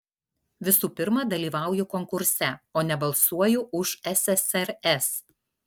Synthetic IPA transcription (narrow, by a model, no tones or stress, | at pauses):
ʋʲɪsuːpʲɪɾmɐd̪ɐlʲiːʋɑˑʊjʊkɔŋkʊɾʲsʲɛoːnʲɛbɐlˠsuɔjʊʔʊʃɛsɛsɛɾɛs